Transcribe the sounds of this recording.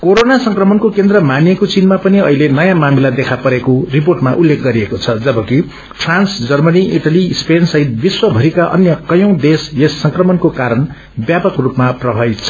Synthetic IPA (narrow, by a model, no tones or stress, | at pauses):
koɾonasʌŋkrʌmʌnkokend̪rʌmanjekot͡sinmapʌniʌɦilenʌjãmamilad̪ekʰapʌɾekorip̬orʈmaʔulːekʰɡʌɾiekot͡sʰʌd͡zʌbʌki | pʰransd͡zʌrmʌniʔiʈalispensʌɦit̪̚biswʌbʱʌɾikaʔʌ̰njʌkʌjʌ̃w̃d̪esjesːʌŋkrʌmʌnkokaɾʌn | bjapʌkrupmaprʌbʱʌjt͡sʰʌ̥